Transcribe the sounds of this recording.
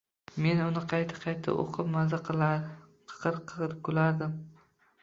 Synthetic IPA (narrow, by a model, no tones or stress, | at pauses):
me̞nʊnɪqʰɑjt̪ʰḁqʰɑjt̪ʰa̰ʔo̰qʰɨpmazaqʰl | qʰɨ̥qʰɨɾq̚ʰkʰɵlaɾd̪ɪm